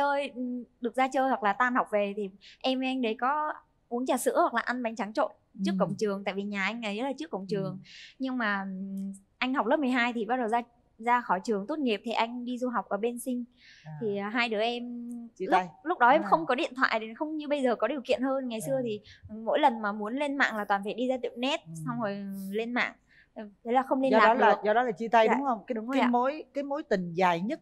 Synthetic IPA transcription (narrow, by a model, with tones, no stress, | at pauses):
t͡ɕəː˧jɗɨ˨˩ək̚zaː˧t͡ɕəː˧jhwa˨˩k̚laː˨˩t̪aː˧nha˨˩wk͡p̚ve˨˩t̪ʰi˨˩ʔɛ˧mve˧ʔa˧jŋ̟ɗə˨˦jkɔ˨˦ | ʔu˨˦əŋt͡ɕaː˨˩sɨ̰˧˥hwa˨˩klaː˨˩ʔa˧nɓa˨˦jŋt͡ɕa˨˦ŋt͡ɕo̰˧˨n | t͡ɕɨ˦˥kːə̰˧˨wŋ͡mt͡ɕɨ˨˩əŋt̪a̰ː˧˨jvi˨˩ɲaː˨˩ʔa˧jŋ̟ʔə˨˦jzə˦˥tlaː˨t͡ɕɨ˦˥əkːə̰˧˨ŋ͡mt͡ɕɨ˨˩əŋɲɨ˧ŋmaː˨˩ | ʔa˧jŋ̟ha˨˩wk͡p̚lə˦˥p̚m˨˩əjɦaː˧jt̪ʰi˨˩ɓaː˧t̚ɗə˨˩wzaː˧ | zaː˧xɔ˧˩jt͡ɕɨ˨˩əŋt̪o˦˥t̚ŋi˨˩əp̚t̪ʰi˨˩ʔa˧jŋ̟ɗi˧zu˧ɦa˨˩wk͡p̚ʔəː˨˩ɓe˧nsï˧ŋ̟ | t̪ʰi˨˩˨ɦaː˧jɗɨ˨˦əʔɛ˧m˧lj̚lʊ˦˥k͡p̚ɗɔ˨˦ʔɛ˧mxə˧wŋ͡mkɔ˨˦ɗḭ˧˨ənt̪ʰwa̰ː˧˨jɗe˨˦xə˧wŋ͡mɲɨ˧ɓə˧jzəː˨˩kɔ˨˦ɗi˨˩əwkḭ˧˨ənhəː˧nŋa˨˩jsɨ˧ət̪ʰi˨˩mo̰˧˥jlə˨˩nmaː˨˩mu˨˦ənle˧nma̰ː˧˨ŋlaː˨˩t̪waː˨˩nfa˧˩ɗi˧zaː˧t̪ḭ˧˨wnɛ˦˥t̚sa˧wŋ͡mho˨˩jle˧nma̰ː˧˨ŋ | t̪ʰe˨˦laː˨˩xə˧wŋ͡mle˧aː˧˨˦zɔ˧ɗɔ˨˦laː˨˩t͡ɕi˧t̪a˧jɗʊ˧˨˦ə˧wŋ͡ma̰˧˦mo˧˨˦jkaː˨˦jmo˨˦jt̪i˨˩ŋzaː˨˩jɲə˦˥t̚